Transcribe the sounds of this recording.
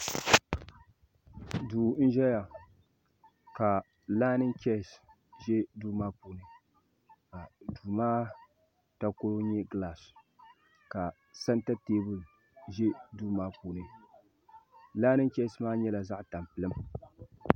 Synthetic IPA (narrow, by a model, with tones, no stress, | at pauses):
duː˨˦n̩˦ʒɛ˦ja˨ | ka˨ | laː˦nɨ˦ŋ˦kɛ˦˨s | ʒɛ˦duː˦maː˦puː˨nɨ˨ | ka˨duː˨maː˦ | ta˦ko˦ɾo˦ɲɛ˦ɡla˨s | ka˨ | sa˦nta˦teː˦bɨ˨ | ʒɛ˦duː˦maː˦pu˨nɨ˨ | laː˦nɨ˦kʲɛ˦smaː˦ɲɛ˦la˨za˦ʔta˨mpɨ˨lɨ˦m